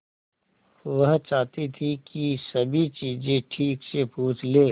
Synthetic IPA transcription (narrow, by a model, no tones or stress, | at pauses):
ʋɐɦt͡ʃaːt̪it̪ʰikisɐbʱit͡ʃiːzẽʈʰiːksepuːt͡ʃʰleː